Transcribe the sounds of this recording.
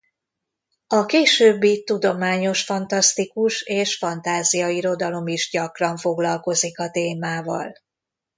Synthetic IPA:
ɒkeːʃøːbːit̪ud̪o̞maːɲo̞ʃfɒnt̪ɒst̪ikuʃeːʃfɒnt̪aːzijɒiɾo̞d̪ɒlo̞miʒɟɒkrɒɱfo̞ɡlɒlko̞zikɒt̪eːmaːvɒ̰l

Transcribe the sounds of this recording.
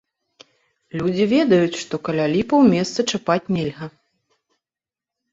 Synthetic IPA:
lʲud͡zʲivʲɛd̪ɐjut͡sʲʂt̪ɔkɐlʲalʲipɐwmʲɛst̪sɐt͡ʂapat͡sʲnʲɛlʲɣɐ

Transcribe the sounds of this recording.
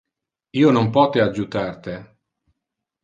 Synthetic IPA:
iːonompɔːt̪ead͡ʒːut̪art̪e

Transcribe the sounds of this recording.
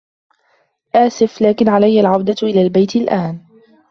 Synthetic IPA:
ʔaːsɪflaːkɪnʕalajːalʕawd̪aʔɪlaːlbajt̪alʔaːn

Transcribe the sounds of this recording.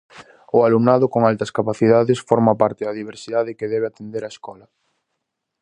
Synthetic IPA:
ʊalumnaðʊkoŋalt̪ɐskapaθiðaðesfɔɾmapaɾt̪eðaðiβ̞eɾsiðaðekeðɛβeat̪end̪eɾaeskɔlɐ

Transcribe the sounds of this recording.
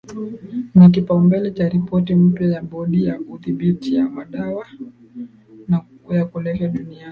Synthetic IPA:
nak̬ipaumbɛlɛt͡ʃaɾipɔtim̩pjajaɓɔɗijakuθiɓitijamaɗawa | na | jakulɛvaɗuniai

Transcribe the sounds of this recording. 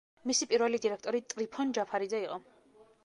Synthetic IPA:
misipʼiɾvɛlid̪iɾɛkʰt̪ʼɔɾit̪ʼɾipʰɔnd͡ʒapʰaɾid̪zaiqʼɔ

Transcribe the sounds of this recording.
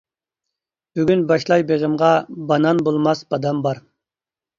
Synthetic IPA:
b̥yɡʲynbɑʃlˠɑjbeʁəmʁɑbɑnɑnbolˠmɑsbɑd̪ɑmbɑɾ

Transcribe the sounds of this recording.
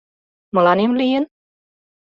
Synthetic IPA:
mɤ̆lɑnemlijen

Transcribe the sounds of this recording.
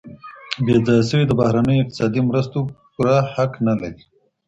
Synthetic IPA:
bed͡zɑjasəwid̪əbahɾanəjoɪq̚t̪ɪ̥sɑd̪imɾəst̪opuɾahaknalaɾi

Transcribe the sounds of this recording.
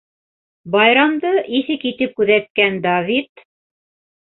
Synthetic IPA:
bɑjɾɑmd̪ɤʔiθɘkit̪ɘp̚kʉðæt̪̚kænd̪ɑvit̪

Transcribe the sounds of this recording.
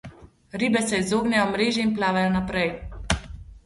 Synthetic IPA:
ɾiːbɛsɛizoːɡnʲajɔmɾeːʒjɛinplaːʋajɔnapɾɛj

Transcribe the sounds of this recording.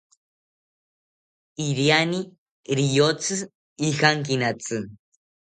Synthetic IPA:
iɾjani | ɾijot͡sɨ | ixaŋkinat͡sɨ

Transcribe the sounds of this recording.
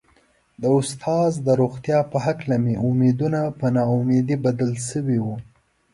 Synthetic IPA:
d̪əʊst̪ʰɑzd̪əɾoxt̪jɑpəɦaklameʊmed̪unapənɑumed̪ibad̪əlsəwiwu

